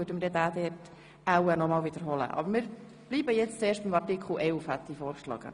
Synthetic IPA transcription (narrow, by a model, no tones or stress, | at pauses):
øːdəməɾdɛdæːd̪ɛːt | æwənɔmɑːlʋid̪əɾɦɔlə̰ʔɑ̰bəɾmɪːɾ | b̥liːbəjɛt͡st͡sɛːʃt̚bɪmɑrtikʰχl̩ʔɛlfhæt̪ːifɔːɾkʃlɑ̰ːɡ̥ə̰